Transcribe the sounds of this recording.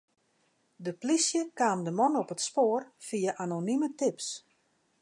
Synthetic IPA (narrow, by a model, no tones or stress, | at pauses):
dəplisjəkaːmdəmɔnɔpətspoːərfijaʔanonymətɪps